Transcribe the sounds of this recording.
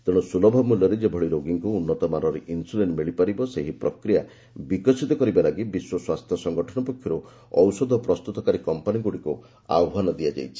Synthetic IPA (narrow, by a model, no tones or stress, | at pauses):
t̪eɽ̃ɔsulɔbʱɔmulɔɾed͡ʒebʱɔɭiɾoɡiŋkuːnːɔt̪ɔmaɾɔɾeʔinsulenmiɭipaɾibɔseɦipɾɔkɾija | bikɔsit̪ɔkɔɾibalaɡibiswɔswast̪ʰjɔsɔŋɡɔʈʰɔɽ̃ɔpɔkʰːjɔɾu | ɔwsɔd̪ʱɔpɾɔst̪ut̪ɔkaɾikɔmpaniɡuɽiku | a̰wɔɦanɔd̪iad͡ʒa̰jt͡ʃʰi̥